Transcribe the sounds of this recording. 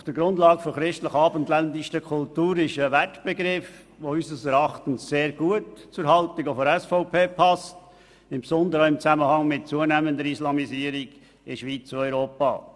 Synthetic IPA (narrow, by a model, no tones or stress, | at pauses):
ʊfd̥əɾɡɾʊndlɑːɡəfɔχɾɪʃtləχɑːbənt̪lændɪʃəkʰʊltuːɾɪʃəvætb̥ɛɡɾɪf | ʋoysəsɛɾɑχtən̩sːeːɾɡ̥uətt͡sʊɾɦɑltɪkofɔɾɛsfoʊpʰeːpʰɑst | ɪmpsɔnd̪əɾəɪmt͡sæməhɑŋmɪt̚t͡suənæːmənd̪əɾislɑmisiːəɾiɡ̥ | ɪʃʋit͡suɔʏɾoːpɑ̰ː